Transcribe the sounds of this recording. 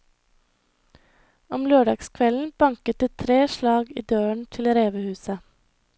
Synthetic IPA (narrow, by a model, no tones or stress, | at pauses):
ɔmløːɖɑ̰ːɡskʰʋɛln̩b̥ɑŋkət̪̚d̪ət̪ʰɾeːʃlɑːɡiːd̪øːəɳt̪ʰɪlɾeːʋəhʉːsə